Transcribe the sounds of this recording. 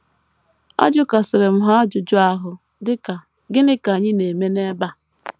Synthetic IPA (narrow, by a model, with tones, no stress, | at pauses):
a̰˦d͡ʒʊ˦ka˨sɪ˨ɾɪ˨m̩˨ɦa˦d͡ʒʊ˨d͡ʒʊ˦a˦ɦʊ˨ | dɪ˦ka˨ | ɡɪ˦nɪ˦ka˨ɲɪ˦ne˨me˦ne˦ba˦˨